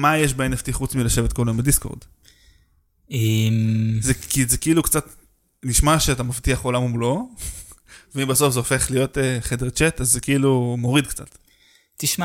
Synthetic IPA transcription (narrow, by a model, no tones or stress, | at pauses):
majeʃ̬baeneftiχut͡smilaʃe̞vetkoloimbedisko̰ʁd | emzekizekeʔilukt͡sat | niʃmaʃeatamaftiaχolamumlo̞ | veimbaso̞fzeofe̞χlijo̞teχedeʁt͡ʃetazːekeilumo̞ʁidkt͡sa̰t | tiʃma